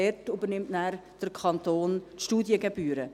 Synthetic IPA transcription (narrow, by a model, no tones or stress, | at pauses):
ɛtybəɾnɪmtnæːɾd̥əɾkʰɑnt̪oːntʃtuːdjəɡebyːɾə